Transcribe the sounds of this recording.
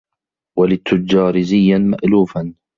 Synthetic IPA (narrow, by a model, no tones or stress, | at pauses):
walɪt̪ʰːʊd͡ʒɑːɾɪzɪjːanma̰ʔluːfan